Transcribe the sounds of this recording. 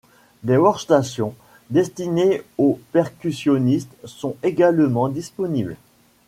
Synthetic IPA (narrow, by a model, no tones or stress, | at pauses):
d̪ewɔʁst̪asjɔ̃ | d̪ɛst̪ineopɛʁkʲysjɔnist̪sɔ̃eɡalmɑ̃d̪ispɔnibl